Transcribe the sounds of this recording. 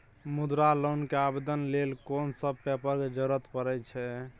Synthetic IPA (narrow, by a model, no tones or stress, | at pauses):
mud̪ɾalonkeabed̪ənlelkonsəb̚pɛpəɾked͡ʒəɾət̪pəɾɛt͡ʃʰɛ